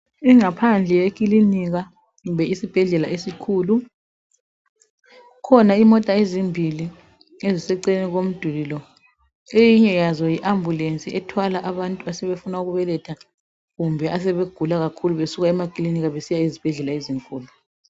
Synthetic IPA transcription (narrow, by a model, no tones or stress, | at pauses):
iŋapʰand͡ɮʱɛjekʼiliniɣa | ɣumbʱɛisib̥ʱɛɮɛlaesikʰuːlu | kʰɔnaimɔtʼaezimbʱili | ezisɛǀeniɣom̩d̥ʱulilɔ | ejiɲɛjazɔjiʔambʱulent͡sʼiʔɛtʰwalaʔaβantʼuasɛβefunauɣuβɛlɛtʰa | ɣumbʱɛʔas̬ɛβeɡ̥ʱulaɣakʰuluβesuɣaɛmakʼiliniɣaβesijaizib̥ʱɛɮɛlaeziŋkʼuːlu